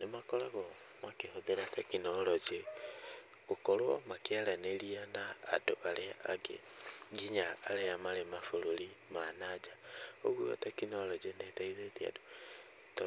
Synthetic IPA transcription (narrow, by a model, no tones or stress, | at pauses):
nemakɔlaɣɔ | makehobeɾatakinɔlɔd͡ʒe | kokolwɔmakealaneliana̰ːdoaleaɡḛɡiɲaːleamalemafololi | manad͡ʒaoɣua̰takinolɔd͡ʒenetaizetia̰do | to